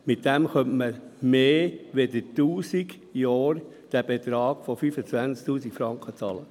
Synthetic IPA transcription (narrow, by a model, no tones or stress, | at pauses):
mɪt̚dɛmχœntməmeːʋedətuːsiɡ | jɑːɾ | d̥æbet̪ɾɑːɡ̥fofyːfət͡svænt͡sk̚tuːsikfɾɑŋkʰət͡sɑ̰ːlə